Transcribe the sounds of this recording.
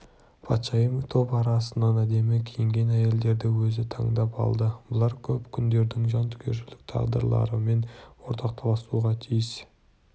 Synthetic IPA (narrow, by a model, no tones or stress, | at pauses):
pʰɑt̪ʃɑjəmt̪ʰo̞pɑɾɑsənːɑnæd̪e̞mɪkʲʰejɪŋɡʲe̞næje̞ld̪e̞ɾd̪ɪwɵzɪt̪ʰɑɴd̪ɑpɑ̰lˠd̪əbʊlˠɑɾkʲʰɵpkʲʰʏnd̪e̞ɾd̪ɪŋʒɑnt̪ʰʏ̥kʲʰe̞̰ʃɪlɪk̚t̪ʰɑ̰ʁd̪ə̰ɾlˠɑ̰ɾəme̞nwo̞ɾt̪ʰɑq̚t̪ʰɑlˠɑsuʁɑt̪ʰijəs